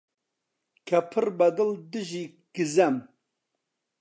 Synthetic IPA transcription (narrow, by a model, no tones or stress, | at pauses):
kʰɐpʰɨɾbɐd̪ɨld̪ɨʒi | ɡ̥ɨzɐm